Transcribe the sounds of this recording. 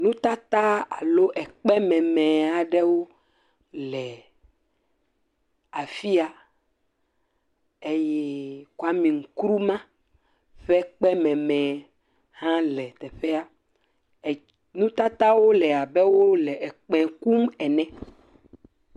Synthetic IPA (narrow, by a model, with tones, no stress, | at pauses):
nũ˦t̪a˦t̪a˦a˨lo˦ʔɛ˨k͡pɛ˦mɛ̃˨mɛ̃˨a˨ɖɛ˦wo˦ | lɛ˨ | a˨fi˦a˨ | e˦jɛ˦ko˦a˦mĩ˨ŋ̩˨kɾu˦mã˦ | ɸɛ˦k͡pɛ˦mɛ̃˨mɛ̃˨ | hã˦lɛ˨t̪ɛ˨ɸɛ˦a˦˨ | nũ˦t̪a˦t̪a˦wo˦lɛ˨a˨bɛ˦wo˦lɛ˨ɛ˨k͡pɛ̃˨ku˦mɛ˨nɛ̃˦